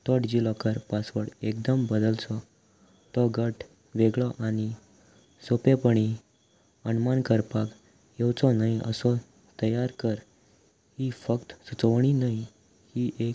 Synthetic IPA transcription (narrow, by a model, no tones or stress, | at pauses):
t̪ɔʈd͡ʑilɔkəɾpasʋəɽek̚d̪əmbəd̪əlt͡sɔ | t̪ɔɡəʈ | ʋeɡɭɔʔaɽ̃i | sopepəɳi | ənmankəɾpak | jewt͡sɔnaiə̰sɔ | t̪əjaɾkəɾ | hifəkt̪sut͡səʋɳ̃inai | hiʔe